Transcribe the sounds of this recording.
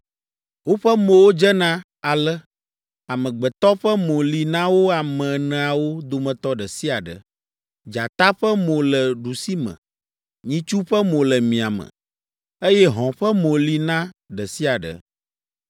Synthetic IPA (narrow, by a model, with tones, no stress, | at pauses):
wo˦ɸɛ˦mõ˨wo˦d͡ʒɛ˦nã˦ | a˨lɛ˦ | a˨mə̃˨ɡ͡bɛ˨t̪ɔ˦ɸɛ˦mõ˨li˨nã˦wo˦a˨mɛ̃˨nɛ̃˨a˨wo˦d̪o˨mə̃˨t̪ɔ˦ɖɛ˨si˦a˨ɖə̰˨ | d͡ʒa˨t̪a˦ɸɛ˦mõ˨lɛ˨ɖu˨si˦mə̰̃˨ | ɲĩ˦t͡ʃu˦ɸɛ˦mõ˨lɛ˨mĩ˨a˨mə̰̃˨ | e˦jɛ˦ɦɔ̃˨ɸɛ˦mõ˨li˦nã˦ɖə˨si˦a˨ɖə̰˨